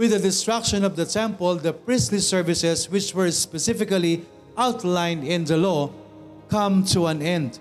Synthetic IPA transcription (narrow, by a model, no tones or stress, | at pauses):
wɪd̪ɐd̪ɪst̪ɹakʃɔ̃nɔvd̪ɐt̪ʰɛ̃mpəld̪ɐpɹɪ̃slisɛɹvɪsɛswɪt͡ʃwɛɹspɛsɪfɪkali | ʔawt̪lãɪ̃nd̪ɪ̃nd̪ɐlɔ | kʌ̃mt̪ʰuãnɛ̃nd̪